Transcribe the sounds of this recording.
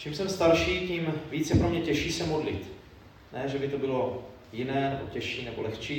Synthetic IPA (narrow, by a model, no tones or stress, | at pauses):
t͡ʃimsɛmst̪aɾʃiːciːmviːt͡sjɛpɾomɲɛcɛʃiːsɛmodlɪ̰t̪ | nɛːʒɛbɪt̪o̞bɪlo̞ | jɪnɛːnɛbo̞̰cɛʃiːnɛbo̞lɛxt͡ʃiː